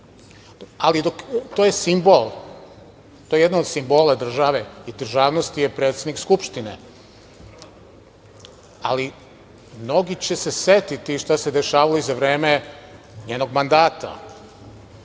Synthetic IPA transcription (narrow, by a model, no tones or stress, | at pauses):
alid̪okt̪ojesimbolˠ | t̪ojejed̪naod̪simbo̞ːlˠad̪r̩ʒaʋeid̪r̩ʒaːʋnost̪ijepɾe̞ːt̪sed̪nikskupʃt̪inḛ | a̰li | mno̞ɡit͡ɕeseset̪it̪iʃt̪ase̞d̪e̞ʃaːʋaloizaʋɾe̞ːme | ɲeːno̞ɡmand̪aːt̪a̰